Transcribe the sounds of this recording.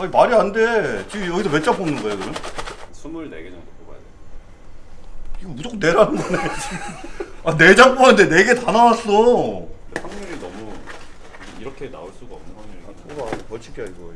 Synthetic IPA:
aimaɾiande̞t͡ɕiɡijʌɡisʰʌpe̞t͡ɕ͈apʰomnɯnŋɡʌekɯɾʌɲsʰumuɾinḛɡed͡ʑʌŋdopoba̰ja̰de | iɡomudok̚ne̞ɾanɯnɡʌnet͡ɕiɡmane̞d͡ʑap͈oande̞ne̞ɡe̞tanawas͈ʌdepʰaŋmiɾinʌmu | iɾʌkʰe̞na̰oɭs͈uɡaʌmnɯnʰaŋiaɡapʌɭt͡ɕʰi̥pʰaiɡʌ

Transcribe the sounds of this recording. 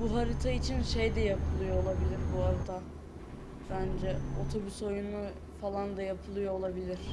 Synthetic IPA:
buɦaɾit̪ʰait͡ʃʰinʃejd̪ɛjapʰɯlˠɯjo̞olˠabilʲiɾbuhaɾit̪ʰa | bænd͡ʒɛo̞t̪ʰo̞byso̞junu | falˠand̪ajapʰɯlˠɯjo̞ːlˠabilʲiɾ̥

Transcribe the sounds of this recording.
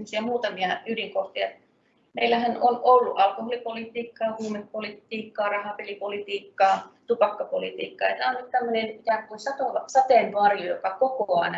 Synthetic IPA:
mːosiɑmuːt̪ɑmiɑydiŋkoht̪iɑt̪ | meilːæhænonolːṵʔʔɑlkoholipolit̪iːkːɑːhuːmenpolit̪iːkːɑːrɑhɑpelipolit̪iːkːɑːt̪upɑkːɑpolit̪ḭːkːɑ̰ːet̪ɑnːɑt̪t̪æmːønenit̪ækuinsɑt̪oɑsɑt̪eˑnʋoɑrijojo̰kɑkokoɑ̰ˑinɑ

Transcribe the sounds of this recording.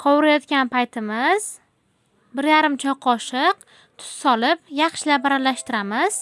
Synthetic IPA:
qʰɒwɪɾajɒt̪kʲanpajt̪ʰɪmɪz̥ | bɪɾjaɾɪmt͡ʃʰɒqʰɒʃɪq | t̪ʰʊ̥sːɒlɪpjɑχʃɪlabaɾalaʃt̪ɪɾamɪz̥

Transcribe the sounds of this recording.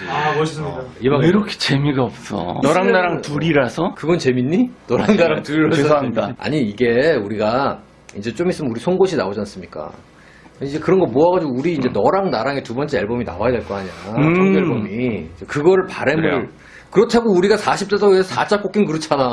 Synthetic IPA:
imaiɾʌkʰe̥t͡ɕe̞miɡaʌp̚s͈ʌ̰nʌɾaŋnaɾaŋtuɾiɾasʰʌkɯɡʌnt͡ɕe̞minːinʌɾaŋnaɾaŋtuɾiɾadaa̰ɲiiɡe̞uɾiɡa | ind͡ʑe̞t͡ɕ͈omis͈ɯmnuɾisʰoŋɡoɕʰinaod͡ʑians͈ɯmɲik͈a̰ | kid͡ʑekɯɾʌnɡʌmoaɣad͡ʑiɡouɾiːnd͡ʑe̞nʌɾaŋnaɾaŋetubʌnt͡ɕ͈e̞eɭbomina̰wajadwe̞ɭk͈ʌaɲiɾaʌŋeɭbomit͡ɕekɯɡʌɾɯɭpaɾemuɭ | kɯɾʌtʰaɡouɾiɡasʰaɕʰip̚t͈esʰʌesʰʌsat͡ɕ͈ak͈ok͈inkɯɾɯt͡ɕʰana

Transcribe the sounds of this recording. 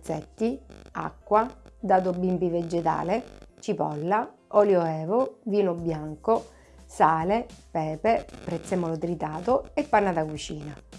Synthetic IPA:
t̪sɛt̪ːia̰kːwad̪aːt̪̬obːimpived͡ʒːet̪a̰ːlet͡ʃipɔ̰lːa | ɔljoɛːvoviːnobjaŋko | saːlepɛːpepɾɛt̪semɔlot̪ɾit̪aːt̪oepːanat̪akut͡ʃiːna

